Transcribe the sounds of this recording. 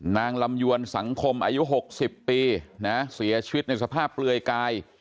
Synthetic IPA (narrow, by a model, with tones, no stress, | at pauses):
naː˧ŋla˧mju˧ənsa˩˦ŋkʰo˧mʔa̰ː˧ju˦˥ɦo˨˩k̚si˨˩pːiː˧na˦˥si˨˩˦ɐt͡ɕʰi˧wi˦˥t̪̚na˧jsa˧pʰaː˥˩p̚ːlɯ˧əjkaː˧j